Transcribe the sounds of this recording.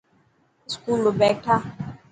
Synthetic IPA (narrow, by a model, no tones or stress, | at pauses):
skulobɛk̚ta